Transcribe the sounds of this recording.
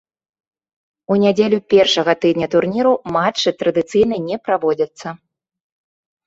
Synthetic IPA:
unʲad͡zʲelʲupʲɛrʂɐɣɐt̪ɨd̪ʲnʲɐt̪urnʲiɾumat͡ʂːɨt̪ɾɐd̪ɨt̪sɨjnɐnʲɛpɾavɔd͡zʲɐt̪sːɐ

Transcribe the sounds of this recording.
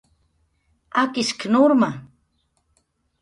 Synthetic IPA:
akɪsknʊɾma

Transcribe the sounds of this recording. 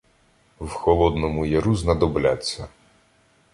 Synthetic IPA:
wxɔlˠɔd̪nɔmʊjɐɾuznɐd̪ɔblʲat͡sʲːɐ

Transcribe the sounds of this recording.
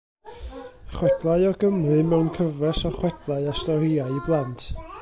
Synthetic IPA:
χwɛdlˠaɨɔɡəmrɨmɛwnkʰəvrɛsɔχwɛd̥lˠaɨastɔɾiaɨiblˠantʰ

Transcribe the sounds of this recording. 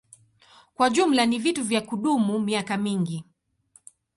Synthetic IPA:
kwaʄum̩lanivituvjakuɗumumiakamiŋɡi

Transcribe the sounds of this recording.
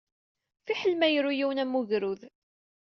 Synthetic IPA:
fiħəlmæjəɾujiwnæmːuʝɾuð

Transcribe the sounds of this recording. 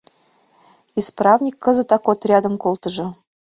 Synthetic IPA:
isprɑvnʲikʰːɤ̆zə̆t̪ɑkot̪rʲɑd̪ə̆mkolt̪ɤ̆ʒɤ̆

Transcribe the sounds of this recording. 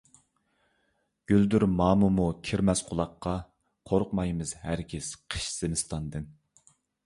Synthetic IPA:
ɡ̥ʲyld̪yɾmɑːmumukʲʰiɾmɛsqʰʊlˠɑqːɑ | qʰoɾʊqmɑjmɨzhæɾkʲʰɪsqʰə̥ʃz̥ɪnɨst̪ʰɑnd̪ɨn

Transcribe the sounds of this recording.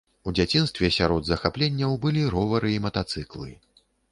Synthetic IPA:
ud͡zʲat͡sʲinst̪vʲɛsʲaɾɔd̪zɐxaplʲenʲːɐwbɨlʲiɾɔvɐɾɨimɐt̪at̪sɨklˠɨ̰

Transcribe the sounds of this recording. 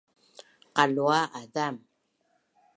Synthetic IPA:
qaluaʔaðam

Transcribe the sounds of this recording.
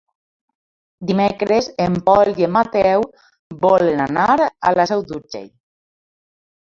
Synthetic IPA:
d̪imekɾezempɔliemːat̪ɛw | bɔlenanaɾa̰lasɛwd̪uɾd͡ʒḛj

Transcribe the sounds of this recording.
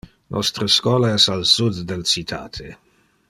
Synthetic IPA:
nʔɔ̰st̪ɾəskwɔːlaɛsalsud̪dɛlt͡sit̪ʰa̰ːt̪ʰe

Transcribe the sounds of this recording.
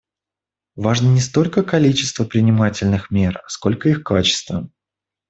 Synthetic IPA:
vaʐnənʲɪst̪o̞lʲkəkɐlʲit͡ɕɪ̥st̪vəpɾʲɪnʲɪmatʲɪlʲnɨxmʲe̞rɐsko̞lʲkəixkat͡ɕɪ̥st̪və

